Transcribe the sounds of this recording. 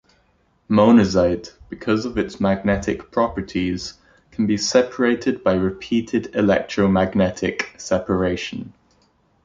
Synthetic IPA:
moʊnəzaɪdb̥ɪkʰʌzəvɪtsmaɡ̚nɛtʰɪk̚pʰɹ̥ɒpətʰiz̥ | kʰə̃nbisɛpʰəɹeɪtʰɪd̚baɪɹɪpʰiˑtʰɪdɪlɛ̰k̚tʰɹ̥əʊmaɡnɛtʰɪ̰ksɛpʰəɹeɪʃə̃n

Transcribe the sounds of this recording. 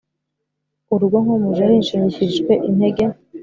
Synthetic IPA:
uɾuɡoŋhomuʒaɾinʃiɲiçiʒɡwe̞ʔinheɡe

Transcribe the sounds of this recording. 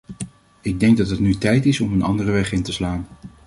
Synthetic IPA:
ɪɡ̚dɛŋɡ̚dɑtɦətnytɛjtɪsɔmənɑ̰ndərəʋɛχɪntəslaːn

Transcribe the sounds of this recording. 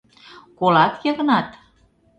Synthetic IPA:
kolɑt̪jɤ̆ɣənɑt̪

